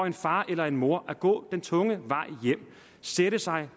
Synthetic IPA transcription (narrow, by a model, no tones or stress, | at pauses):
e̝nfɑ̈ːʔelɐe̝nmo̝ɐʔæɡ̥ɔ̰̽ːd̥ent͡sʰɔ̽ŋəʋɑ̈ɪ̰jem̰ | seɾəsɑ̈ɪ